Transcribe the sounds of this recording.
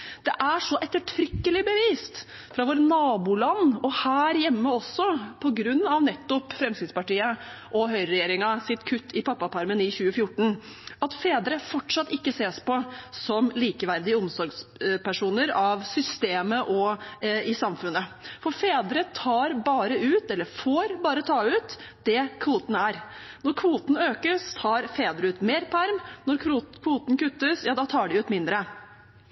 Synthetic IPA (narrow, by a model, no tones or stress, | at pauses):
d̪̥ɛʔæʂɔʔɛt̪ːəʈʰɾʏkːəlɪbəʋiːst̪ | fɾɑʋoːɾənɑːbuːlɑnːɔhæːɾjɛmːəɔsːɔpʰɔɡɾʉnːɑʋnɛt̪ːɔpfɾɛmsɪd̪spɑʈiːəʔɔɦœʏɾɛjeːɾɪŋɑsɪt̪kʰʉt̪ːɪpɑpːɑpʰɑɾmənɪçʉːəfjʊʈːɳ̩ | ɑt̪feːd̪əɾəfɔʈʂɑt̪ːɪkːəseːspɔsɔmliːkəʋæɾd̪ɪəʊmsɔɾɡspæʂuːnəɾɑʋsʏst̪eːməʔɔɪsɑmfʉnːəfɔɾfeːd̪əɾət̪ʰɑːɾbɑːɾəʉːt̪ɛlːəɾfoːɾbɑːɾət̪ʰɑːʉːt̪ | d̪̥ɛkʰʋuːt̪n̩æɾnɔɾkʰʋuːt̪n̩øːkəst̪ʰɑːɾfeːd̪ɾəʉːt̪meːɾpʰæɾmnɔɾkʰʋuːt̪n̩kʉt̪ːəsjɑːd̪ɑt̪ʰɑːɖɛʉːt̪mɪnd̪ɾə